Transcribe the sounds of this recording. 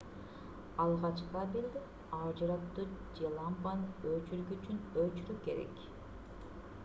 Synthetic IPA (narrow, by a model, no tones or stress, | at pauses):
ɑlˠʁɑt͡ʃqabeld̪e | ɑd͡ʒɯɾɑtt̪ːud͡ʒelˠɑmpanøt͡ʃyɾɡyyt͡ʃynøt͡ʃyɾyke̞ɾḛk